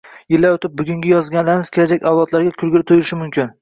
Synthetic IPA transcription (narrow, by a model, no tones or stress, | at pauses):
jɪlːaot̪ʰɪp̚bʊɡʲʊŋɡʲɪjɒzɡʲanlaɾɪmɪz̥kʲʰelad͡ʒakʲawlˠɒt̪laɾɡʲakʲʰʊlɡʲɪlɪp̚t̪ʰojʊlɪʃɪmʊmkʲɪn